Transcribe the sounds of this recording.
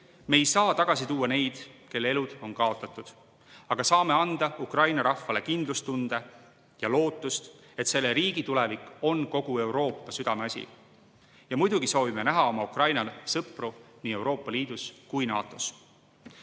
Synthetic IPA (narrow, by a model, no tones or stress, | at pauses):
me̞ːjsɑːt̪ɑɡ̥ɑsit̪uːɑne̞jd̪̥ke̞lːee̞lud̪̥o̞nkɑo̞t̪ːˑɑt̪ːˑud̪̥ | ɑɡ̥ɑsɑːme̞ɑnd̪̥ɑukrɑjnɑɾɑfːɑle̞kind̪lust̪und̪̥e | jɑlo̞ːt̪ːˑust̪ | e̞t̪se̞lːeɾiːɡ̥it̪ulevikˑo̞nko̞ɡ̥ue̞uwɾo̞ːpːɑsyd̪ɑme̞ɑsʲḭ | jɑmujd̪̥uɡ̥iso̞ːvime̞næɦɑo̞mɑukrɑjnɑsɤpruniːe̞wɾo̞ːpːˑɑliːd̪̥uskujnɑ̰ːt̪ːˑo̞s